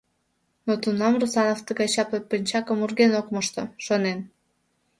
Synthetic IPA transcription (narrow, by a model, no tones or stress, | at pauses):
not̪unɑmrusɑnovt̪əɣɑjt͡ɕɑpepinʲt͡ɕɑkəmurɣenokməʃt̪oʃonen